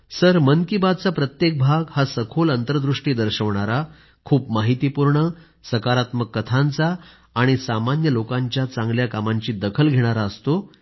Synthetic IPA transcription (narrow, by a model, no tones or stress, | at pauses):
səɾmənkibad̪̚t͡sapɾət̪jek̚bʱaɡhasəkʰolənt̪əɾəd̪ɾuʂʈiːd̪əɾɕəʋɳ̃aɾa | kʰuːpmaɦit̪iːpuɾɳə | səkaɾat̪məkːət̪ʰant͡saː | ɽ̃isamanjəlokãɲt͡ɕjat͡sãŋɡljakamaɲt͡ɕiːd̪əkʰəlɡʱeɽ̃aɾaəst̪o